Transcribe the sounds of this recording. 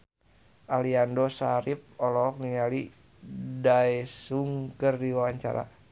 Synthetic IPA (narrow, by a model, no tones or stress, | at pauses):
ʔaliandosaɾip̚ɔlɔk̚niŋali | daɛsuŋkərdiwawaɲt͡ʃa̰ɾa̰